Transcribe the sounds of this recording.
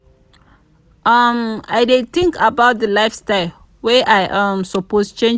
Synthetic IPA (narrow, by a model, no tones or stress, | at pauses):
ʔama̰ɪdet̪ĩŋkabaʊt̚dəlaɪfstaɪl | wɛʔajʔãmsɔpost͡ʃẽ